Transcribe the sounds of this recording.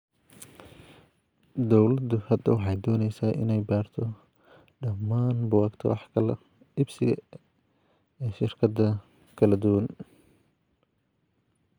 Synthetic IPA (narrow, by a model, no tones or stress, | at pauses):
d̪ɔwlɐd̪ʊhɐd̪ɐwɑħɑjd̪ɔːnɛjsaːʔɪ̰nɛjbaːrt̪ʰɔ | ɖɐmːaːnbʊwɑːɡt̪ʰɐ̰wɑħkʰɐlɐ | ʔɪbsɪɣɐ̰ | ʃɪrkʰɐd̪ɐ | kʰɐlɐd̪ʊwɐn